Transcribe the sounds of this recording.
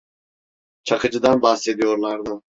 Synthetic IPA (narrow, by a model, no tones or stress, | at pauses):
t͡ʃʰakʰɯd͡ʒɯd̪anbahse̞d̪ijo̞ɾlˠaɾd̪ɯ